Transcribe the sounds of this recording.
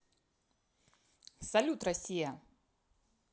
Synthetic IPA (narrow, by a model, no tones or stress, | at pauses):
sɐlʲut̪rɐsʲijɐ